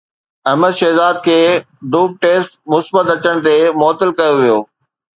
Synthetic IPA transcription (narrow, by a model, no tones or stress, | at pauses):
ɐɦməd̪ʃɛːzaːd̪̚kʰeː | ɖuːb̚ʈeːsʈmʊsbət̪ɐt͡ɕəɽ̃t̪emɔːt̪ɪlkɐjoʋijoː